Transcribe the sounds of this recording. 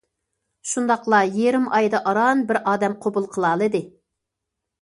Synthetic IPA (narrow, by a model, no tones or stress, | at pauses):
ʃund̪ɑqlˠɑjeɾɪmɑjd̪ɑʔɑɾɑnbɪɾʔɑːd̪ɛmqʰobulˠqʰəlˠɑlˠɨd̪ɨ